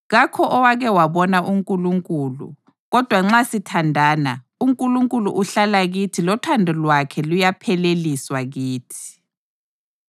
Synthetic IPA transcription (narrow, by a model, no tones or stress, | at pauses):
ɣakʰɔʔɔwaɣɛwaβɔnaʔuŋkʼuluŋkʼuːlṵ | ɣɔd̥ʱwaŋ͡ǁasitʰandʱaːna | uŋkʼuluŋkʼulṵʔuɬalaɣitʰilɔtʰandʱɛlwakʰɛlujapʰɛleliswaɣiːtʰi̥